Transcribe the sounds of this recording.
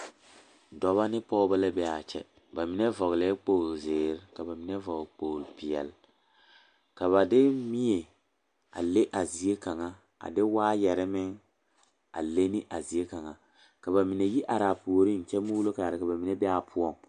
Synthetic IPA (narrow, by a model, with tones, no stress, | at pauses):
dɔ˨βa˦nɪ˦pɔ˦ʊ˦ba˦la˦bɛ˦a˨t͡ʃɛ̰˦ | ba˨mi˨nɛ˦vɔ˨ɣlɛ˨˦k͡poː˦˨lzɪː˨ɾɪ˦ka˨ba˨mi˨nɛ˦vɔ˨ɡk͡poː˨lpɪ˨ɛ̰˨l | ka˨βa˨dɪ˦mi˦e˨ | a̰˨le˦ʔa˨zi˨e˦ka˨ŋa˦ | a̰˨dɪ˦waː˦jɛ˨ɾɪ˦mɪ˦ŋ | a̰˨le˦ni˦ʔa˨zi˨e˦ka˨ŋa˦ | ka˨ba˨mi˨ne˨ji˦ʔa˨ɾa˨pu˨o˨ɾi˦˨n˨t͡ʃɛ˦muː˦lo˦ka˨a˨ɾɪ˨ka˨ba˨mi˨nɛ˦bɛ˦a˨pʰʊ˦ɔ˦˨ŋ